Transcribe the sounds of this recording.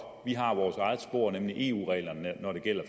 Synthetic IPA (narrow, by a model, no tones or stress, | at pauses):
ʋiɦɑ̈ʋɒːsɑ̈ɪð̞̩ˠsb̥o̝̰ːɐ̰nemliʔe̝̰ːṵːʁɛ̰ːɪlɐnnɒɾ̥e̝ɡ̥el̰ɐ